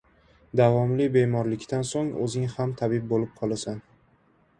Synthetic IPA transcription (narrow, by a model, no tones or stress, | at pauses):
d̪avɒmlɪbe̞mɒɾlɪkʲt̪ansoŋɵ̰zɪŋhamt̪ʰabɪb̚bolɪp̚qʰɒlˠasan